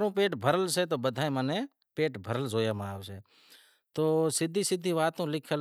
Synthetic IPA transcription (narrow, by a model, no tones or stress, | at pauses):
ɾõːpeːʈbʱəɾəlseːt̪oːbəd̪ʱaːẽːmənẽː | peːʈbʱəɾəld͡ʒoːjaːmãaːʋseː | t̪oːsɪd̪ʱːiːsɪd̪ʱiːʋaːt̪ũːlɪkʰəl